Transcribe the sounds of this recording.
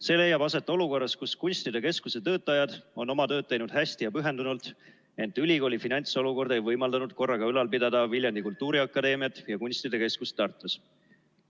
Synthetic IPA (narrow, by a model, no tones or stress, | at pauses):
se̞ːle̞jːɑbɑse̞t̪ːˑo̞luko̞rːɑskuskunʲsʲt̪id̪e̞ke̞skuse̞t̪ɤ̞ːt̪ːˑɑjɑd̪̥o̞nːo̞mɑt̪ø̞ːd̪̚t̪ːejnud̪̥hæsʲt̪ijɑpyɦe̞nd̪unult̪ | e̞nt̪ːˑylʲiɡo̞ːlʲifinɑnʲt̪so̞luko̞rd̪e̞jvɤjmɑld̪ɑnud̪̥ko̞rːɑɡ̥ɑylɑlpid̪ɑd̪ɑviljɑnd̪ikult̪ːˑuːɾiɑkːˑɑd̪e̞ːmijɑt̪ːˑjɑkunʲsʲt̪id̪e̞ke̞skust̪ːɑrt̪ːˑus